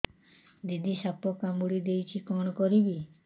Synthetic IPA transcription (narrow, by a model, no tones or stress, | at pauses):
d̪id̪ʱisapɔkamuɽid̪ejt͡ʃʰikɔɽ̃ɔkɔɾibi